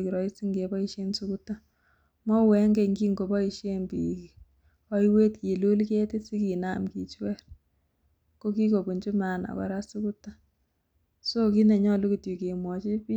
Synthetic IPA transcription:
ki˨ɾɔ˨i˦si˦ŋɡe˨ba˦i˦ʃje˦nsu˦ku˦ta˦ | mɔ˦wɛ˨˦ŋɡe˨ŋɡi˦ŋɡo˨bɔ˦i˨ʃe˦nbi˨ki˨ | ɔ˦i˦we˦tke˨lu˦lke˦te˦si˦ki˨na˦˨mkḭ˨t͡ʃwɛ˦r | ko˦ki˦ko˨bu˨ɲt͡ʃu˦ma˨na̰˨ka̰˨ɾa˦su˦ku˦tːa˦ | so˦ki˦ne˨ɲɔ˦lu˦ku˨tju˨ke˨mwɔ˨t͡ʃi˦pi˦

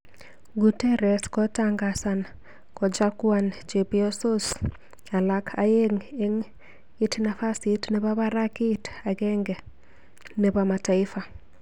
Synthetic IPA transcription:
ɡutɛ˦ɾɛ˨skɔ˦taŋɡasa˨n | kɔ˨d͡ʒakwant͡ʃe˨piɔ˦so˦s | a˨lakʰaje˦ŋe˦ŋ | i˦tna˨fa˦sitne˨ba˦βa˦ɾa˦kɪ˦ta˨ɡɛ˦ŋɡɛ˨ | nebama˨ta˨ɪ˦fa˨

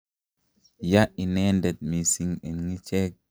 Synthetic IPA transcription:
jaʔi˨nɛndɛt̪̚mi˨siŋɛ˨nŋi˦t͡ʃɛ˦k̚

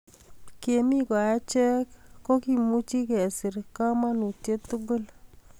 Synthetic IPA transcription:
ke˨mi˦ka˨ja˦t͡ʃɛ˦kːo˦ki˨mu˦t͡ʃi˦kɛ˨sɪ˨ɾka˦ma˦nu˨tje˦tʊ˦ɡʊ˦l

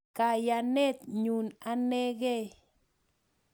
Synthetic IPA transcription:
ka˧ja˧ne˦t̪ɲu˧na˦ne˦ɡe˦

